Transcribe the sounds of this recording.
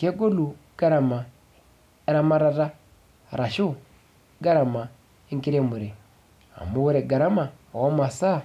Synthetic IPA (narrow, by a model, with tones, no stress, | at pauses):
ke˦ɡo˦lu˨ɡ̥a˦ɾa˨ma˨ | e˦ɾa˦ma˦ɾa˦ɾa˦ | ɾa˨ʃu˦ | ɡa˦ɾa˨ma˨ | e˦ŋki˦ɾe˦mu˨ɾe˨ | a̰˨mu˦wu˦ɾe˨ɡa˨ɾa˦ma˨wa˦ma˨sa˦˨